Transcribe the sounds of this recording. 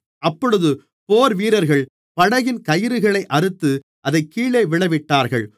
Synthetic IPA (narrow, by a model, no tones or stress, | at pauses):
ʔɐpːɔɽɯðɯ | poːɾʋiːɾɐɾɣɐɭ | pɐɽɐjɪnkɐjɪɾɯɣɐɭɐɪʔɐɾɯt̪ːɯ | ʔɐðɐɪkːiːɭeːʋɪɭɐʋɪʈːaːɾɣɐɭ